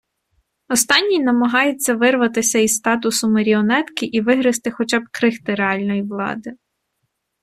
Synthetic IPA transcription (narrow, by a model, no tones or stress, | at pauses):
ɔst̪ɑnʲːijnɐmɐɦɑjɪt͡sʲːɐʋɪrʋɐt̪ɪsʲɐist̪ɑt̪̬ʊsʊmɐɾʲiɔnɛt̪kɪʔiʋɪɦɾɪst̪ɪxɔt͡ʃɑb̚kɾɪxt̪ɪɾeɑlʲnɔjiʋlˠɑ̰d̪ɪ